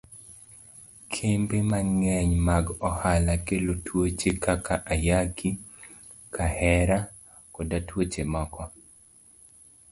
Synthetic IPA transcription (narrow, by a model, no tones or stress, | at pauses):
kʰembemaŋɛɲmaɡɔhalakelotʰwot͡ʃekakaʔajaki | kʰahɛɾa | kɔdatwot͡ʃemɔkɔ